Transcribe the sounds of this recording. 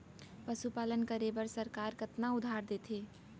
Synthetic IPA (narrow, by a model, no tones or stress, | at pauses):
pəsupaːlənkəɾebəɾsəɾkaːɾkət̪naʊd̪ʱaɾd̪et̪ʰɦeː